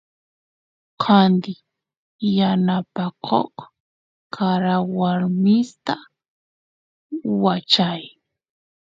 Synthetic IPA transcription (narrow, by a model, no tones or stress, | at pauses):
qʰand̪ɪ | janapakʰo̰χ | kʰaɾawaɾmɪst̪a | wat͡ʃaj